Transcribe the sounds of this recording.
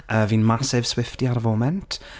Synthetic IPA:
ʔəːviːnmasɪv̥swɪftiaɾəvoːmɛntʰ

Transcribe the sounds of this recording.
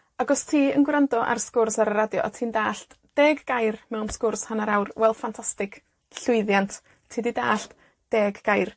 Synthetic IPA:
aɡɔstʰiːənɡwrandɔʔa̰rskʊrsaɾəɾadjɔ̰ʔɔtʰiːndaːɬt | d̥eːɡːajrmɛwnskʊrshanaɾawrwɛlˠfantʰastɪkʰ | ɬʊɨðjantʰ | tʰiːdidaːɬt | d̥eːɡːajr

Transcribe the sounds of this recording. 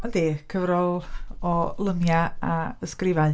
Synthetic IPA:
ɔnd̥eːkʰəvɾɔlˠɔlˠəmjaaəskrɪvaɨ

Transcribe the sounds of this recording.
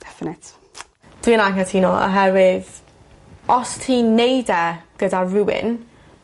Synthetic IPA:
d̥ɛfɪnɪt | d̥winaŋkatʰiːnɔə̰ɦɛvɪð | ɔstʰinejdɛɡ̥ədaɹuɪ̰n

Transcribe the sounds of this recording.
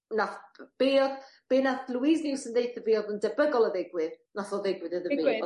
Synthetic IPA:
naθb̥eːɔð | b̥eːnaθlˠwisdɪwsəndejθəviːɔðəndəbəɡɔlˠəðɛɡwɨð | naθɔðɛɡwɨðəðəvɪɔ

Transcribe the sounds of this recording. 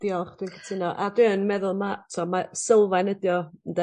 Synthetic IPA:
d̥iɔlˠχd̥ɪnkʰə̥tʰɪnɔʔadwɪənmɛðʊlˠmatʰɔmasəlˠvajnədjɔəndɛ

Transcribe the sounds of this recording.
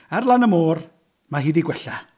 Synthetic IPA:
arlˠanəmoːr | maɦiːdiɡwɛɬa

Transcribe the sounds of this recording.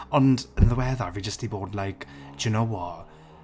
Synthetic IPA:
ɔndənðəwɛðavid͡ʒəstiboːdlajkʰd̥junowɔ

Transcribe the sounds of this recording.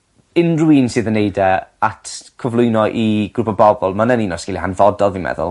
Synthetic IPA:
ɪnruinsɨːðənejdɛatʰkʰɔvlˠʊɨnɔʔiɡɾupʰɔbɔbɔlˠmanəninɔsɡ̥ɪlˠihanvɔdɔlˠvimɛ̰ðʊ̰lˠ

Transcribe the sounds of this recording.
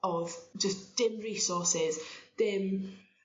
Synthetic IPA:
ɔv̥d͡ʒəsd̥ɪmɹiːsɔˑsɪz̥d̥ɪm

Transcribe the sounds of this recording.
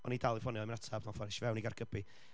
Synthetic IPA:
ɔ̰nidalˠɨvɔniɔmənatʰabnɔfɔnʃvɛwniɡarɡ̥əbi

